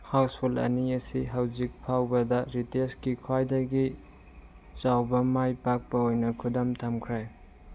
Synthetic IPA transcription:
hawspʰulɐ̰niɐsiɦawzik̚pʰawbɐdɐɾiteskikʰwajdɐɡi | t͡ʃawbɐmajpak̚pɐojnɐkʰudamtʰamkʰɾaj

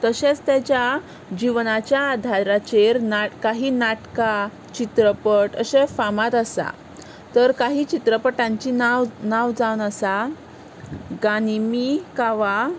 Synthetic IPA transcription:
t̪əɕet͡st̪ɛt͡ɕja | d͡ʑiʋnat͡ɕjaːd̪ʱaɾat͡ɕeɾnakaɦiːnaʈka | t͡ɕit̪ɾəpəʈəɕẽfamat̪asa̰ | t̪əɾkaɦiːt͡ɕit̪ɾəpəʈãɲt͡ɕinanawd͡zawnasa | ɡanimikaʋa

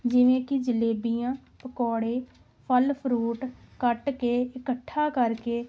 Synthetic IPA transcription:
d͡ʒɪʋẽːkɪd͡ʒəleːbiːjãː | pəkɔːɽeː | pʰəlpʰɾuːʈkəʈkeːɪkəʈʰːaːkəɾkeː

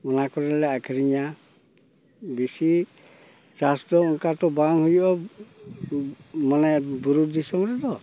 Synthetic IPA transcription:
ɔnakɔɾɛlɛakʰiɾiɲa | bisi | t͡ʃasd̪ɔunkat̪ɔbaŋɦujɔʔɔ | manabuɾud̪isɔŋɾɛd̪ɔ

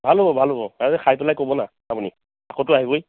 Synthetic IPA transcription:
bʱalɦobɔbʱalɦobɔaɹzɛxʰajpɔlajkobɔna | apuni | akotʊaɦiboj

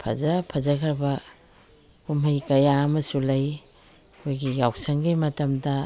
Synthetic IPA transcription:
pʰɐ̰zapʰazɐkʰɐɾbɐ | umajkɐjaːmɐsulaj | ojɡijawsɐŋɡijmɐtɐmdɐ

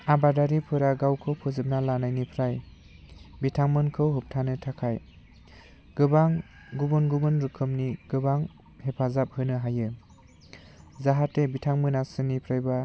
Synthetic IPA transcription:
abadaɾipʰɯɾaɡawkʰɯwpʰɯzɯp̚nalanajnipʰɾaj | bitʰaŋmɯnkʰɯwɦup̚tʰanɯtʰakʰaj | ɡ̥ɯbaŋ | ɡubunɡubɯnɾɯkʰɯmniɡ̥ɯbaŋ | hepʰazap̚hɯnɯɦajɯ | zaɦatebitʰaŋmɯnasɯnipʰɾajba

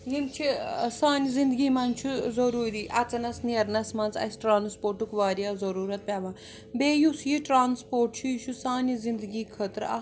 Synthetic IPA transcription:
jimt͡ʃʰisaːnʲizind̪ɡiːmɐnt͡ʃʰuzoɾuːɾiːʔɐt͡sɐnɐsniɐɾnɐsmɐnt͡sɐ̰sʲʈɾaːnspoːɾʈukʋaːɾiaːzɐɾuːɾɐt̪̚pʲaːʋãː | beːjusjiʈɾaːnspoːɾʈt͡ʃʰuʃʰusaːnʲizind̪ɡiːkʰət̪ɾa̰

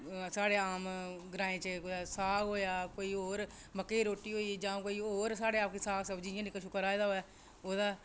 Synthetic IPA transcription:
saːɽeːaːmɡɾãːẽːt͡ʃəkoaːsaːkɦoːjaːkoːiːoːɾ | məkːeːɾoːʈːiːɦoːiːd͡ʒãːkoːiːoːɾsaːɽeaːpkesaːksəbd͡ʒiːãːnɪkːəʃʊkəɾaːed̪aːɦoːɛː | oːd̪aː

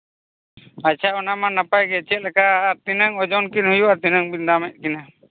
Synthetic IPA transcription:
at͡ʃʰaɔnamanapajɡɛt͡ʃɛt̪̚lɛkaːɾt̪inəŋɔd͡ʒɔnkinhujuaɾt̪inəŋbind̪amɛt̪̚ˀkina

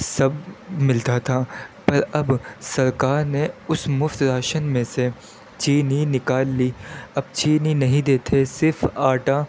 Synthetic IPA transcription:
sɐbmɪlt̪at̪ʰaːpɐɾɐbsɐɾkaːɾneʊsmʊft̪ɾaːʃənmẽse | t͡ʃiːninɪkaːlːiːɐb̚t͡ʃiːninɐɦĩd̪eːt̪ʰesɪɾfʰaːʈa

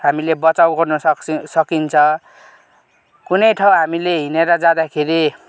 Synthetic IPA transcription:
ɦamilebʌt͡sawɡʌrnʌsʌkint͡sʰʌ̃ | kunʌjʈʰaw̃ɦamileɦineɾʌd͡zad̪akʰeɾi

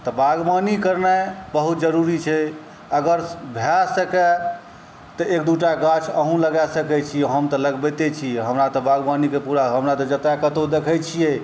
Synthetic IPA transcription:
t̪ɔbaɡmanikəɾnɛbəɦut̪̚d͡ʒəɾuɾit͡ʃʰɛ | əɡəɾbʱasəkɛ | t̪ɔek̚d̪uʈaɡat͡ʃʰəɦũləɡasəkɛt͡ʃʰiɛɦəmt̪ɔləɡbɛt̪et͡ʃʰiɦəmɾat̪ɔbaɡbanikepuɾaɦəmɾat̪ɔd͡ʒət̪akət̪od̪ekʰɛt͡ʃʰijɛ

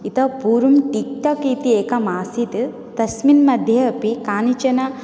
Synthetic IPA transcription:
it̪ɐpuːɾumʈik̚ʈɐkit̪ieːkɐmaːsit̪ | t̪ɐsminmɐd̪ʱjɐɐpikaːnit͡ʃɐnɐ

